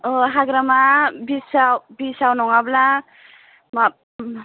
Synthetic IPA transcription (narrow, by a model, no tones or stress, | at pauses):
oɦaɡɾamabisawbisawnɔŋabla | ma